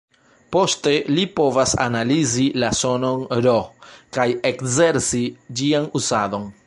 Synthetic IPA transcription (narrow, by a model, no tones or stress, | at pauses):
po̞ste̞lipo̞vasa̰nalizilaso̞no̞nɾokajekze̞ɾsid͡ʒianuzado̞n